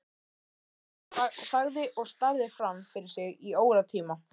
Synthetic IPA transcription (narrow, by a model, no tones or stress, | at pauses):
saɣðɪʔɔɣst̪aɾðɪfɾamfɪɾɪɾsɪɣioːwɣɾat̪ʰiːma